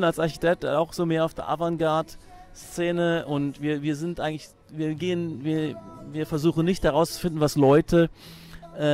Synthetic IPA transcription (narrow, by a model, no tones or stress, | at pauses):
nalsaɐçi̥tʰɛk̚taʊxz̥oːmeːɐaʊfd̥eːɐʔa̰vanɡaɐt | st͡seːnəʔʊntviːɐviːɐzɪntʔaɪɡŋ̩klɪç | viːɐɡeːənviːɐviːɐfɛɐzuːxn̩nɪçthɛʁaʊst͡su̥fɪndn̩vaslɔʏtʰə | ʔɛ